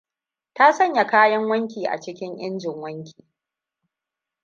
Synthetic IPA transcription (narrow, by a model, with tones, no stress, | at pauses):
ta˦sɐ˦ɲja˨kaː˦jɐ˦ŋwɐ˦ŋkʲiː˨ʔa̰˨t͡ʃɪ˦kʲɪ˦ŋʔɪ̰˦nd͡ʒɪ˨ŋwɐ˦ŋkʲi̥ː˨